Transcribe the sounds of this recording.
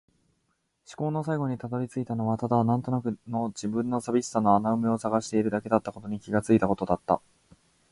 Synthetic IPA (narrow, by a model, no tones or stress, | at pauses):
ɕi̥ko̞ːno̞saiɡo̞ɲ̟it̪ad̪o̞ɾʲit͡sɨit̪ano̞βat̪ad̪anãnt̪o̞nakɯ̟no̞d͡ʑibɯ̟̃nːo̞sabʲisɨ̥ano̞anaɯ̟meo̞saɡaɕi̥t̪e̞iɾɯ̟d̪ake̞d̪at̪ːako̞t̪o̞ɲ̟ikʲiɡat͡sɨit̪ako̞t̪o̞d̪at̪ːa̰